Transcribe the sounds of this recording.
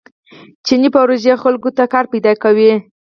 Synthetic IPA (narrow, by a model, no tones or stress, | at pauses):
t͡ʃinipawɾoʒexalkot̪akɑɾpajd̪ɑkawi